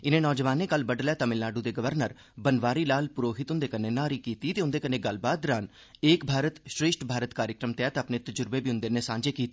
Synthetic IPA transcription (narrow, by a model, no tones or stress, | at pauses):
ɪnẽːnɔːd͡ʒəʋaːneːkəlbəɖlɛːt̪ãːmɪlaːɖuːd̪eːɡəʋəɾnəɾ | bənʋaːɾiːlaːlpʊɾoːɦɪt̪ʊ̃nd̪eːkəneːnaːɾiːkiːt̪iːt̪eːʊ̃nd̪eːkənẽːɡəlbaːt̪ɾaːn | eːkbʱaːɾət̪ʃɾeːʃʈbʱaːɾət̪kaːɾjəkɾəmt̪eaːt̪eapneːt̪əd͡ʒʊɾbeːbiːʊ̃nd̪eːneːsãːɲd͡ʒeːkiːt̪e